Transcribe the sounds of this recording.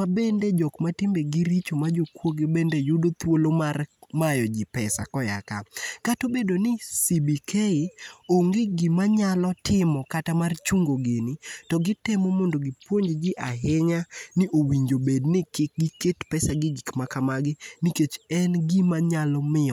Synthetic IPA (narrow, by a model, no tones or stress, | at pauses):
abended͡ʒɔkmatɪmbeɡɪɾit͡ʃomad͡ʒokwoɡebendejʊdot̪wolomarmajɔd͡ʒɪpɛsa̰kɔja̰kakatobedonɪsibikʰeɪoŋɡɪɡɪmaɲalɔtɪmɔkatamart͡ʃuŋɡoɡenɪtɔɡɪtɛmɔmɔndoɡɪpwoɲd͡ʒd͡ʒɪʔaɦɪŋanɪʔowiɲd͡ʒobednɪkɪk̚ɡɪketpɛsaɡɪɡikmakamaɡɪniket͡ʃɛnɡimaɲalɔmɪɔ